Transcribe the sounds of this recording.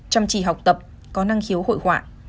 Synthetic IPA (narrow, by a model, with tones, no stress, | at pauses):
t͡ɕa˧mt͡ɕḭ˧˨˩ɦa˨˩wk͡p̚t̪ə˨˩p̚ | kɔ˨˦na˧ŋxi˨˦who̰˧˨jhwa̰ː˧˨ʔ